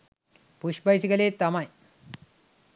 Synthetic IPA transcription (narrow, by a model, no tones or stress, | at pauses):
puʂbɐjsiɣɐleːt̪ɐmɐj